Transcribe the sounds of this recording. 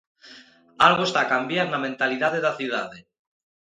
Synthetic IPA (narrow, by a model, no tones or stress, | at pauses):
alɣoest̪akambjaɾnamẽnt̪aliðaðeðaθjuðaðe